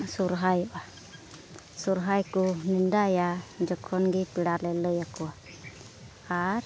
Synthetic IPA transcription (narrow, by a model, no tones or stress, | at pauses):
suɾɦajɔʔa | suɾɦajkunindajad͡ʒɔkʰɔnɡipiɽalɛləjakua | aɾ